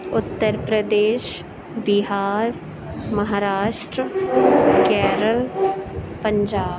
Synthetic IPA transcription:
ʊt̪ːəɾpɾəd̪eːʃ | bɪɦaːɾ | mɐɦaːɾaːʃʈɾə | kɛːɾəl | pə̃ɲd͡ʒaːb

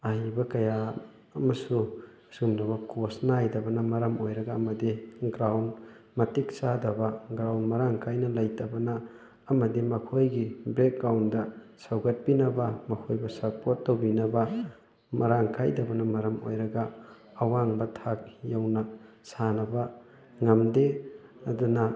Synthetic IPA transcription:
aɦibɐkɐja | ɐmɐsu | sumdɐβɐkosnaajdɐbɐnɐmɐɾɐmojɾɐɡɐːmɐdiɡɾawn | mɐtik̚sadɐbɐɡɾawnmɐɾaŋkʰajnɐlɐjtɐbɐnɐː | mɐdimɐkʰojɡibɾek̚ɡawndɐsɐwɡɐt̚pinɐbɐmɐkʰojbɐsɐɾpotːowbinɐbɐ | mɐɾaŋkʰa̰jdɐbɐnɐmɐɾɐmo̰jɾɐɡɐː | waŋbɐtʰak̚jawnɐ | sanɐbɐ | ŋɐmde | ɐdunɐ

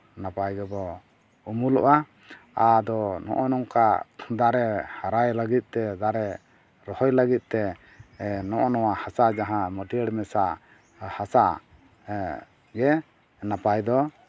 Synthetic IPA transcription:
napajɡɛbɔ | umulɔ̰ʔa | ad̪ɔnɔ̰ʔɔnɔŋkad̪aɾɛhaɾajləɡit̪̚ˀt̪ɛd̪aɾɛ | ɾɔhɔjləɡit̪̚ˀt̪ɛ | nɔʔɔnɔwahasad͡ʒaɦãməʈiəɽmɛsaʔ | hasaʔ | ɡɛ | napajd̪ɔ

